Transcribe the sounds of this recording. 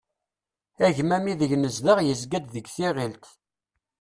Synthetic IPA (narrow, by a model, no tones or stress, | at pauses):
æʝmæmiðəʝnəzðəʁjəzɡæd̪ðəɡθiʁilt̪